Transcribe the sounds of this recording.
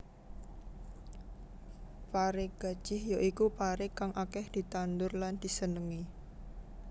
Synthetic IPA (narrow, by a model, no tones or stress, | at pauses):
paɾɪɡ̥a̤d̥ʒ̥ɪhjoʔikupaɾɪkaŋʔakɛhd̪̥i̤t̪and̪ʊrland̪̥i̤sənəŋi